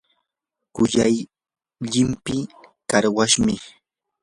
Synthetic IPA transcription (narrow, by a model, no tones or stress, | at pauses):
kʊjaj | ʎɪmpɪkaɾwaʃmɪ